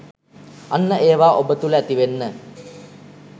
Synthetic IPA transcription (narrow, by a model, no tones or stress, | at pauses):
anːəʔeːʋaːʔobət̪uləæt̪iʋenːə